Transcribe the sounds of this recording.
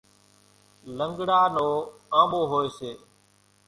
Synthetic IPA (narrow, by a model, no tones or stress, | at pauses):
ləŋɡɽaːnoːãːɓoːɦoːeːseː